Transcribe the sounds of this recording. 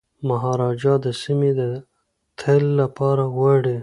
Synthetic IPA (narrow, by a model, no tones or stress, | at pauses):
maɦɑɾɑd͡ʒɑd̪əsimed̪ə | t̪ʰəlːapɑɾaɣaɽe